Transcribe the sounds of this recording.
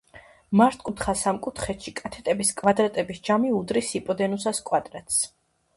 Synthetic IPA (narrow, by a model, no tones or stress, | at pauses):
maɾt̪ʰkʼut̪ʰχasamkʼut̪ʰχɛt̪ʃikʼat̪ʰɛt̪ʼɛbiskʼvad̪ɾat̪ʼɛbisd͡ʒamiud̪ɾisipʼɔd̪ɛnusaskʼwad̪ɾɛt̪ʼs